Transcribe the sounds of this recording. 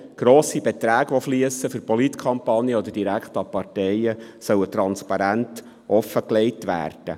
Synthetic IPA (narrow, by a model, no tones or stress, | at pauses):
ɡ̥ɾɔːsibɛt̪ɾæːɡʋɔfliəsəfɵɾpɔlit̪kʰɑmpɑnjəɔd̪əd̥iɾækχtɑpɑrtɛjəsœwət̪ɾɑnspɑɾænt | ʔɔfəkleɪtʋæ̰ːrd̥ə